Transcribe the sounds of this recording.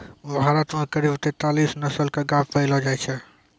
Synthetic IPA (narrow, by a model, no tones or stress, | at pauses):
bʱaɾət̪mekəɾibt̪ɛt̪alisnəsəlkeɡapʰpəjlɔd͡ʒajt͡ʃʰɛ